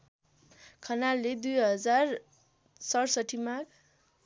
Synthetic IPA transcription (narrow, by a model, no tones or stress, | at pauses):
kʰʌnalːed̪ujɦʌd͡zar | sʌrsʌʈʰimaɡ